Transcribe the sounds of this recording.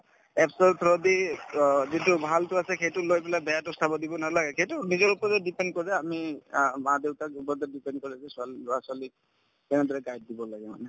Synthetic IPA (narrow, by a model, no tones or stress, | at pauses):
ɛpʰsɔlt̪ʰɔɹɔdi | zitʊbʱaltʊasɛkejtʊlojbɛlabɛjatɔstʰabɔdibɔnalaɡɛkʰejtʊnizɔɹupɔɹtɛdipɛndkɔɹɛamimadeʊtakupɔdɛdipɛnd̚kɔɹɛsɛsalasali | kɛnɛd̪ʱɔɹɛkajd̚dibɔlaɡɛma̰nɛ